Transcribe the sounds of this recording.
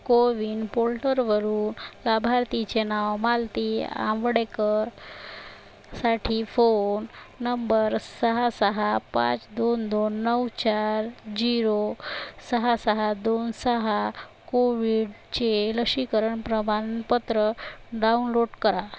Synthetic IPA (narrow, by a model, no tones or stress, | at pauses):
koʋiɳɖpolʈəɾʋəɾuːnlabʱaɾt̪it͡ɕenaʋmalt̪iã̰ʋɽekəɾ | saʈʰifonː | əmbəɾsəɦasəɦapa̰t͡sd̪ond̪onːəwt͡ɕaɾd͡ʑiɾosəɦasəɦad̪onsəɦakoʋiɽ | t͡ɕeləkɕikəɾəɳpɾəmanpət̪ɾəɖaunloɽkəɾa